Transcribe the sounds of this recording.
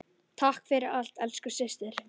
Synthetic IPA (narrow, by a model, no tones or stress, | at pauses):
t̪ʰahkfɪɾɪɾal̥t̪ɛlskʏsɪst̪ɪɾ̥